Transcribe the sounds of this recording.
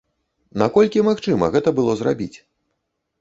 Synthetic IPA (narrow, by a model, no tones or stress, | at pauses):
nakɔlʲkʲimaxt͡ʂɨmɐ̰ɣɛt̪ɐbɨlˠɔzra̰bʲit͡sʲ